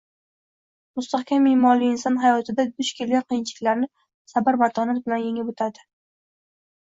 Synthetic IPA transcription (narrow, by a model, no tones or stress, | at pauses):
mʊst̪ahkʲʰamːɪːmɒliɪnsɒnɦajɒt̪ʰɪd̪ad̪ʊʃkʲʰelɡʲaɾqʰijɪnt͡ʃʰɪɪkʲlaɾnɪ | sabaɾbat̪ʰɒnat̪̚bɪlanjeŋɪbɵt̪ʰad̪ɪ